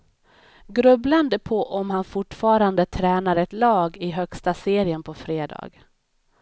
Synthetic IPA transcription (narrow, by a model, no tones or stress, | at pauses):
ɡɾɵbland̪əpʰɔʔɔmhanfʊʈfɑːɾand̪ət̪ʰɾɛːnaɾɛt̪lɑːɡɪɦœkst̪aseːɾɪənpʰɔfɾeːd̪ɑ̰ːɡ